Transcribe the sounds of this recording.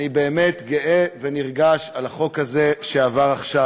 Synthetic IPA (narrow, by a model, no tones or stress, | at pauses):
nibe̞ːmetɡeʔeveniʁɡaʃalaχo̞khaze̞ʃeavaʁaχʃa